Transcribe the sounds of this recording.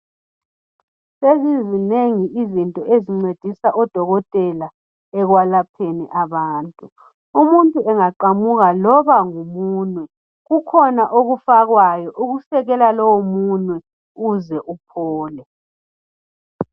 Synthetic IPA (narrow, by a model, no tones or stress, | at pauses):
sezizineŋiʔizintʼɔʔeziŋ͡ǀed̥ʱisaʔɔd̥ʱɔɣɔtʼɛla | ɛɣwalapʰenḭʔaβaːntʼu | umuntʼuɛŋaǃamuɣalɔβaŋumuːnwɛ | ɣukʰɔnaʔoɣufaɣwajɔʔuɣusɛɣɛlalɔwomunwɛ | uzɛʔupʰɔːlɛ